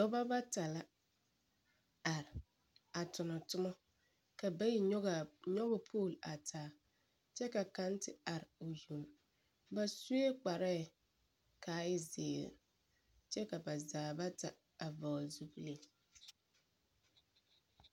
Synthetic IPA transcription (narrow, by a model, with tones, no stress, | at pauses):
dɔ˦ba˦ba˦ta˨la˦ | a˨ɾɪ˨ | a˨tʊ˨nɔ˨tʊ˦mɔ˦ | ka˨ba˦ji˨˦ɣɲɔ˦ɣʊ˦pʰoː˦˨la˨tʰaː˨˦ | t͡ʃɛ˦ka˨ka˦ntɪ˨a˨ɾɪ˨o˨zu˨m | ba˦su˦e˦k͡pa˨ɾɛ˦˨ | kaː˨˦ɪ˦zḛː˨ɾ | t͡ʃɛ˦ka˨ba˨zaː˨ba˦ta˨ | a˨vɔ˨zu˦ble˦